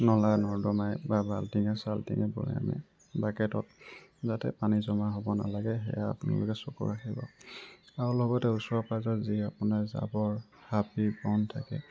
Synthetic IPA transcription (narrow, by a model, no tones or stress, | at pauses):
nɔlanɔɹdɔmajbabʱaltiŋɛsaltiŋɛbɔ̰ɹɛ̰a̰mɛ̰ | bakɛtɔt̚zatɛ̰panizɔmaɦobɔna̰laɡɛɦɛ̰jaa̰pʊna̰lɔkɛsokɔ̰ɹaxibɔ̰ | aɹulɔɡɔtɛusɔpazɔtziapunaza̰bɔɹ | hapibɔntʰakɛ